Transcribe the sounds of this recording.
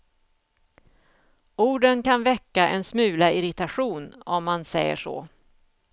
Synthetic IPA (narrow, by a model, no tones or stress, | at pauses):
uːɖənkʰanvɛkːaʔɛnsmʉ̟ːlaɪɾɪt̪aɧuːnɔmːansɛjːə̰ʂo̰ː